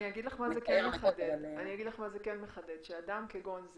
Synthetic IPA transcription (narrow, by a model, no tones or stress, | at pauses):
niaɡid̪laχmazekenmeχad̪edaniaɡid̪laχmazekenmeχad̪ed̪ʃead̪amkeɡo̞nz